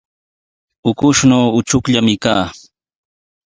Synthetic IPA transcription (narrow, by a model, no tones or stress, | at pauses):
ʊkʊʃnoːʊt͡ʃʊkʎamɪkaː